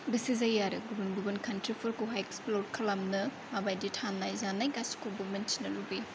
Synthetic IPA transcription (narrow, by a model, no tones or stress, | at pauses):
bɐsizajːaɾɐɡubɐnbubɐnkʰɐntɾipʰuɾkuɦajeksplod̚kʰɐlamnɐ | mabajditʰanːajzanajɡaskulbumɐnt͡ʃi̥nɐlubi